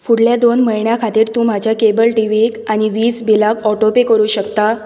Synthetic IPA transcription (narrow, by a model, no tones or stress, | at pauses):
fuɽljad̪onməɭɳjakʰat̪iːɾt̪ũːm̤ad͡ʑʱjakebəlʈiʋiekañiʋiːsbilakɔʈopekəɾuːɕəkt̪a